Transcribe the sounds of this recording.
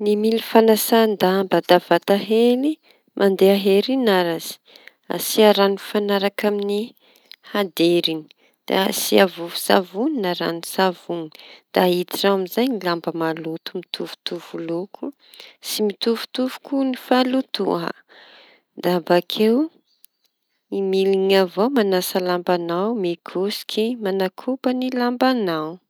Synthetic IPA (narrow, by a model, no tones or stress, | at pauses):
nimilifanasand̪ambad̪av̥at̪aɦeli | mʔand̪eaɦeɾinaɾaz̥i̥ | a̰siaɾanifanaɾakamini | had̪eɾini̥ | d̪̥a̰asiavuvu̥sa̰vuninaɾa̰nisavunid̪̥ait̪iʈ͡ʂaamizajnilambəmalut̪umit̪ʰuvu̥t̪uvulukʰu | simit̪uvu̥t̪uvu̥kunifalut̪ṵɦa̰ | d̪abakʰew | imiliɲavowmanasəlambanawmikʰusi̥kʰimanakʰubənilambanaw